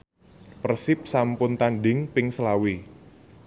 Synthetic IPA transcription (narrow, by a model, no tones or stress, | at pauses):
pərsɪp̚sampʊnt̪anɖɪŋpɪŋsəlawi